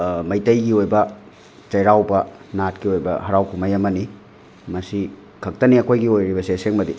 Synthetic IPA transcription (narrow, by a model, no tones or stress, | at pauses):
mɐjtɐjɡiojbɐ | t͡ʃɐjɾawbɐnatkiojbɐ̰ɦɐɾawkʰumɐjɐmɐni | mɐsi | kʰɐk̚tɐniɐkʰojɡiojɾibɐseseŋmɐdi